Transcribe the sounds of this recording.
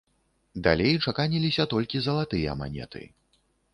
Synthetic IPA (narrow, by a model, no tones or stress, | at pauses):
d̪a̰lʲejt͡ʂakanʲilʲisʲɐt̪ɔlʲkʲizɐlˠat̪ɨjɐ̰ma̰nʲɛ̰t̪ʰɨ̰